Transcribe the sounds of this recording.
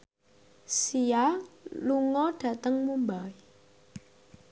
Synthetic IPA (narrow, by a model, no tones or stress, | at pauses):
sijaluŋɔɖ̥ä̤t̪əŋmumbai